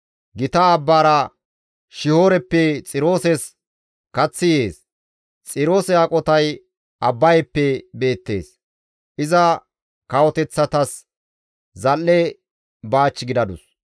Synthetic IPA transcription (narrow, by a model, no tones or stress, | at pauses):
ɡɪt̪ɐːbːaːɾɐ | ʃɪho̞ːɾɛpːɛt͡sʼɪɾo̞ːsɛs | kɐt͡sːɪje̞ːs | t͡sʼɪɾo̞ːsɛakʼɔt̪ɐj | ʔɐbːɐjɛpːɛbe̞ːt̪ːe̞ːs | ʔɪzɐ | kɐwɔt̪ɛt͡sːɐt̪ɐs | zɐlːɛ | baːt͡ʃːɪɡɪd̪ɐd̪ʊs